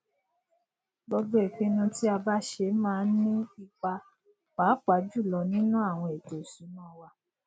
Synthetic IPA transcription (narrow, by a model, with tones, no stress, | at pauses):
ɡ͡bɔ˧ɡ͡bɔ˦e˦˨k͡pĩ˧˦nũ˧ti˦a˧ba˦ʃe˧mãː˦˧˦nĩ˦i˧k͡pa˧ | k͡pa˨˦k͡pa˨˦d͡ʒu˦˨lɔ˧nĩ˦nũ˦a˦˨w̃ɔ̃˧e˨to˨su˨˦nã˦˨˦wa˧